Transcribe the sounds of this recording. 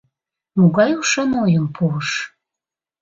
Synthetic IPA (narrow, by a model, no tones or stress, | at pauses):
muɣɑjuʃɑnojəmpʰuəʃ